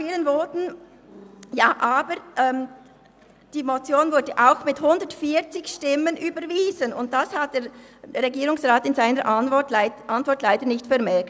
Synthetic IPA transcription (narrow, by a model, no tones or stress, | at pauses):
fiːlənvɔːtn̩ | jaːʔaːbəɾʔɛm | d̥iːmot͡sjoːnvʊɐdəʔaʊxmɪthʊndətfiːt͡sɪçʃtɪmənʔyːbəɾviːzənʊ̰nt̚d̥ashat̚d̥eːɾʁeɡiːʁʊŋsʁaːtɪnzaɪnəɾʔtʔantvɔɹtlaɪdənɪçtfɛɾmɛkt